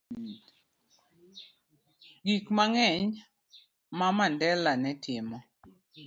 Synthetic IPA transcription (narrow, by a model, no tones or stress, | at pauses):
ɡikmaŋɛɲ | mamandɛlanɛtʰɪmɔ